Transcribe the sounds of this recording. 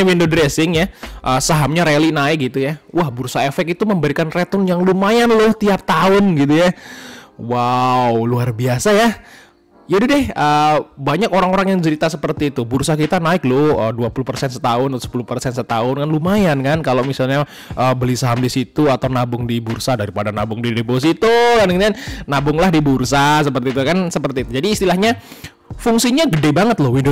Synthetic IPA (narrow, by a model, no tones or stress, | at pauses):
windodɾesɪŋjaʔəsaɦamɲaɾelinaɪk̚ɡit̪ujauwahbursaefɛkit̪uməmbəɾikanrɛt̪ɔnjaŋlumajanlʊht̪iap̚t̪aʊnɡit̪uja | wawluarbiasaja | d͡ʒadidɪhəːbaɲakoɾaŋoɾaŋjaŋt͡ʃəɾit̪asəpərt̪iːt̪ubursakit̪anaɪk̚lʊəduapuluhpərsɛnsət̪aʊnat̪sə̥pulʊuhpərsɛnsət̪aʊnkanlumajankankalomisalɲa | ʔəːbəlisaɦamdisit̪uat̪awnabʊŋdibursadaɾipadanabʊŋdidepos̬it̪ukandəŋt̪annabʊŋlahdibursas̬əpərt̪iːt̪ukansəpərt̪iːt̪ud͡ʒadiːst̪ilahɲa | fuŋsiɲaɡədebaŋət̪̚lʊhwindo